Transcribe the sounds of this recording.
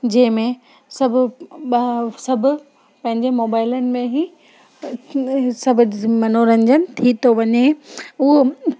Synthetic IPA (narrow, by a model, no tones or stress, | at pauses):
d͡ʑɐ̃ɦɪ̃mẽ | sɐbʱʊ | sɐbʱʊ̆ | pɐ̃ɦɪ̃ɲd͡ʑemoːbaːɪlənɪ̆mẽɦi | sɐbʱʊd͡ʑmɐnoɾɐ̃ɲd͡ʑənɪ̆t̪ʰit̪oʋɐɲeʊɦo